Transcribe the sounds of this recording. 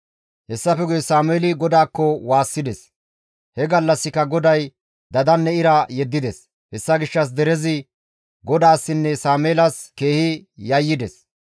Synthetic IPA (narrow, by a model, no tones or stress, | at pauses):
hɛsːɐfɛɡʊjsaːmeːlɪɡɔd̪aːkːɔwaːsːɪd̪ɛs | hɛɡɐlːɐsːɪkːɐɡɔd̪ɐj | d̪ɐd̪ɐnːɛɪɾɐjɛd̪ːɪd̪ɛs | hɛsːɐɡɪʃːɐs̬d̪ɛɾɛzɪ | ɡɔd̪aːsːɪnːɛsaːmeːlɐske̞ːhɪjɐjːɪd̪ɛs